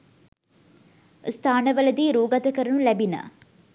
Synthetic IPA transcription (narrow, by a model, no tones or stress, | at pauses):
st̪ʰaːnəʋəlɐd̪iɾuːɡɐt̪əkəɾənulæbinə̰